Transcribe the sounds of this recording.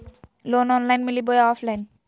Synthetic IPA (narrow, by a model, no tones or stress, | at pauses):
lonɔnlajnmilibojaɔfʰlajn